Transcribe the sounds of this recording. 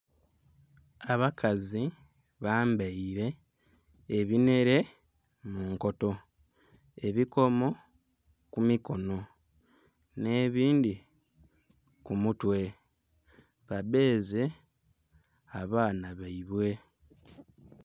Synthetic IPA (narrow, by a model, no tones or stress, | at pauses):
aβakʰazi | βaːmbaiɾe̞ː | βine̞ɾe̞ | muŋko̞to̞ | e̞βiko̞mo̞ | kumiko̞no̞ | ne̞ːβiːndi | kumutwe̞ | βabe̞ːze̞ | aβaːnaβaiβwe̞